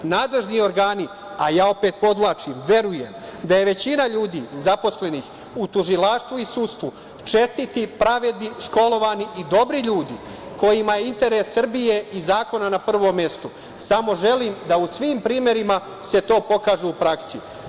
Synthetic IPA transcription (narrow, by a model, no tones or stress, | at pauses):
naːd̪le̞ʒnio̞ɾɡaːni | ajaːo̞peːt̪̚po̞d̪ʋlˠaːt͡ʃimʋe̞ɾuje̞md̪aje̞ʋe̞t͡ɕinaʎuːd̪iːzapo̞sle̞nix | ut̪uʒilaːʃt̪ʋuisust̪ʋu | t͡ʃe̞st̪it̪ipɾaʋe̞d̪niʃko̞lo̞ʋaniʔid̪o̞bɾiʎuːd̪ḭ | ko̞jimajeint̪e̞ɾesːr̩bijeizaːko̞nanapr̩ʋomje̞st̪o | samo̞ʒe̞liːmd̪ausʋiːmpɾiːme̞ɾima | se̞t̪o̞ːpo̞kaːʒuupɾaksi